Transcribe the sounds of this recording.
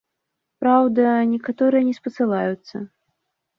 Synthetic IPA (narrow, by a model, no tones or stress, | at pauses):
pɾawd̪ɐnʲɛkat̪ɔɾɨjɐnʲɛspɐt̪sɨlˠajut̪sːɐ̰